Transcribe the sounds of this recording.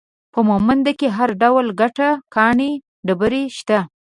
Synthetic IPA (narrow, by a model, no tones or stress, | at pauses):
pəmomand̪akeɦaɾɖawlɡaʈakɑɳe | ɖəbəɾeʃt̪a